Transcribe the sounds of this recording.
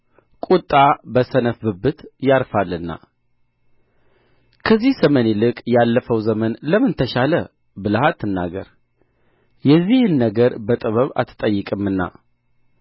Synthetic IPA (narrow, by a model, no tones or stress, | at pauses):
kʼut̪ʼːabəsənəfbɨbːɨt̪jaɾfalːɨnːa̰ | kʰəzːihsəmənelɨkʼjalːəfəwzəmənləmɨnt̪ʰəʃalə | bɨlaɦat̪ʰːɨnːa̰ɡəɾ | jɛzːihɨnːəɡəɾbət̪ʼɨβəβa̰t̪ʰːɨ̥t̪ʼəjːɨkʼɨmːɨnːa̰